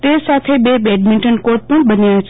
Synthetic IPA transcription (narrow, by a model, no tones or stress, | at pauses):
t̪eːsaːt̪ʰebebeːɖmɪ̃ɳʈənkoːɾʈ̚pɐɽ̃bɐniãːs